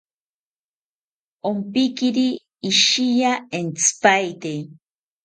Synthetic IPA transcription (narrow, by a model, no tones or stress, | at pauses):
ompikiɾiː | ʃijaent͡sɨ̥pajt̪e